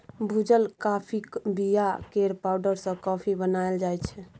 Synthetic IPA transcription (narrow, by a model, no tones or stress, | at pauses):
bʱud͡ʒəlkapʰibijakeɾpawɖəɾsə̃kɔpʰibənaeld͡ʒajt͡ʃʰɛ